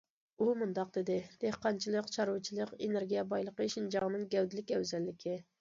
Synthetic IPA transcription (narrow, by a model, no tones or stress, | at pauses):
umund̪ɑq̚d̪ed̪ɪd̪̥ehqɑnt͡ʃʰilˠəqt͡ʃʰɑɾut͡ʃʰilˠəqeneɾɡʲijɛbɑjlˠəqəiʃind͡ʒɑʁənɨŋɡʲɛwd̪ɪlɪkʲɛwzɛlːɪkʲʰɪ